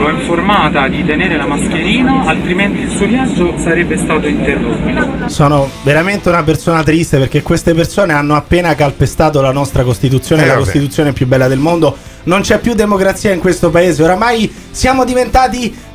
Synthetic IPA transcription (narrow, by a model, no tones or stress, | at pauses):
loɛɱformaːt̪ad̪it̪eneːɾelamask̟eɾiːnaalt̪ɾiment̪iilsuokjasosaɾɛbːest̪aːt̪oint̪erːot̪ːosɔːnoveɾament̪eunapersoːnat̪ɾist̪eperk̟ekːwest̪epersoːneanːoapːeːnakalpest̪aːt̪olanɔst̪ɾakost̪it̪̬ut̪sjoːnelakost̪it̪̬ut̪sjoːnepjubːɛlːad̪elmond̪o | nont͡ʃɛpːjud̪ːemokɾat̪sːiːaiŋkwest̪opaeːzeoɾamaj | sjaːmod̪ivent̪aːt̪i